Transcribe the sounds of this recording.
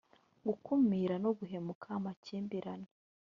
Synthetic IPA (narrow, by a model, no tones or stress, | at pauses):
ɡukʰumiɾanoɡuɦe̞mukʰamaciːmbiɾane